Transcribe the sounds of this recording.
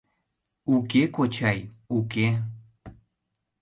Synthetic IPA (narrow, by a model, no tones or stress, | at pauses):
ukekot͡ʃajuke